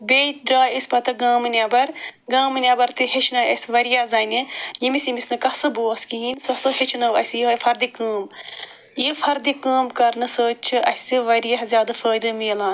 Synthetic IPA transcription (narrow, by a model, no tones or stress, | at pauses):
beːt͡ʃd̪ɾaːisʲpɐt̪ɐɡaːmɨnʲabɐɾɡaːmɨnʲabɐɾt̪ɨɦet͡ʃʰnɐɐsʋɐɾijaːzɐːnʲijimisjimisnɨkɐsɨboːskiɦiːnsuɐsɨɦet͡ʃʰnɐʋɐsʲjifɐɾd̪ikəːm | jifʰɐɾd̪ikaːmkɐɾnɨsəːt͡ʃʰɨʔɐsɨʋɐɾijɐɦzʲjaːd̪ɨfəːd̪ɨmiːlaːn